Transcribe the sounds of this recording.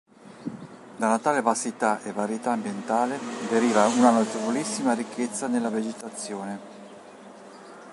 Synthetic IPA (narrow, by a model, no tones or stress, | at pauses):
d̪alat̪aːlevasit̪aʔevaɾjit̪aːmbjent̪aːled̪eɾiːvaunanot̪evolisːimaɾikʰːet̪sːanelːaved͡ʒet̪at̪sːjoːne